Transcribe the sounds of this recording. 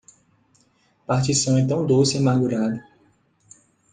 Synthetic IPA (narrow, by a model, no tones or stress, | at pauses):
paɾt͡ʃisɐ̃w̃ẽnt̪ɐ̃w̃d̪osɪĩmaɡuɾad̪ɐ